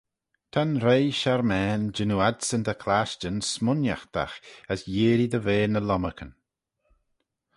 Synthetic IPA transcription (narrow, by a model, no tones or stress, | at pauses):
t̪ʰanɾejʃaɾmɛːnd͡ʒɪnuad̪sənd̪əkʰlaʃt͡ʃənsmʊnja̰xd̪̥a̰xəsjeːɾid̪əveːnəlɔməkʰən